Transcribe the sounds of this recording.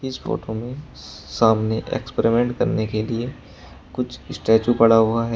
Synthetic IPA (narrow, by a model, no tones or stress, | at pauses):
ɪsfo̰ːʈomẽ | saːmneʔḛːkspeɾimẽːɳʈkɐɾnekelie | kʊt͡ʃʰɪsʈɛːt͡ʃupɐɽaɦʊaɦɛ